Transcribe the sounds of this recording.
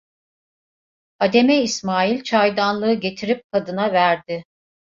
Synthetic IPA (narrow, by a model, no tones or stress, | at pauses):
ad̪e̞meismaːjilʲt͡ʃʰajd̪anlˠɯɯɟe̞t̪ʰiɾip̚kʰad̪ɯnavæɾd̪ɪ